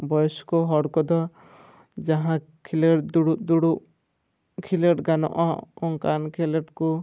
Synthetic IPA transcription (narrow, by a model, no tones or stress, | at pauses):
bɔjɔskɔɦɔɽkɔd̪ɔ | d͡ʒaɦã | kʰileʈd̪uɽuʔd̪uɽuʔ | kʰileʈɡanɔ̰ʔɔɔŋkankʰileʈku